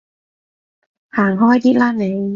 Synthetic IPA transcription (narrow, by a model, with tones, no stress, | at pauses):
haː˨˩ŋɦɔː˥˩jt̪ʰiː˥t̚laː˥˩n̚ne˨˧˥